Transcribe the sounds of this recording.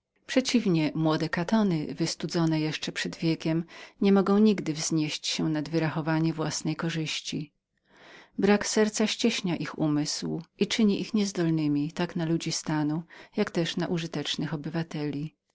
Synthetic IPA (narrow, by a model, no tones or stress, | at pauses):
pʂɛt͡ɕivɲɛmwɔd̪ɛkat̪ɔnɘ̰vɘst̪ud̪zɔnɛjɛʂt͡ʂɛpʂɛd̪vʲjɛkʲɛmɲɛmɔɡɔ̃w̃ɲiɡd̪ɘvzɲeɕt͡ɕɕɛnad̪vɘɾaxɔvaɲɛvwasnɛjkɔʐɘɕt͡ɕi | bɾaksɛɾt̪saɕt͡ɕɛɕɲaʔixumɘswʔit͡ʂɘɲiʔixɲɛzd̪ɔlnɘmʲit̪aknalud͡ʑist̪anujakt̪ɛʂnaʔuʐɨt̪ɛt͡ʂnɘxɔbɘvat̪ɛlʲi